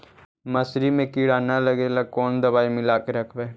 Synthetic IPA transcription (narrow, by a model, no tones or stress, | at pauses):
məsɾimẽkiːɽaːnaləɡeːlakɔːnd̪əβaːimɪlaːkeɾəkʰbeː